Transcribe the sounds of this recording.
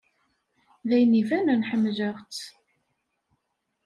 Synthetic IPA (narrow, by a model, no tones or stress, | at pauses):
ðæjnivænænħəmːʒəʁt͡s